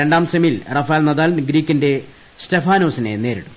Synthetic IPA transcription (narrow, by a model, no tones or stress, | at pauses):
eɳɖaːmsɐmilrɐfɐjaːlnɐðaːlnɡɾiːkʲːinde̞ | stefaːno̞ːsine̞̰ne̞ːɾiɽu